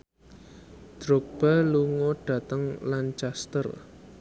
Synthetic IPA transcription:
d̥ɾok̚b̥aluŋoɖ̥ä̤t̪əŋlant͡ʃast̪ə̰r

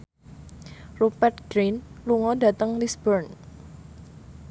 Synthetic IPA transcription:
rupɛrt̪̚ɡ̥ɾinluŋɔda̤t̪əŋlisbərn

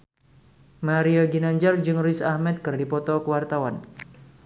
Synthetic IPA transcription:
maɾioɡinaɲd͡ʒard͡ʒɨŋrisahmɛt̪̚kɨrdipɔt̪ɔkəwart̪awan

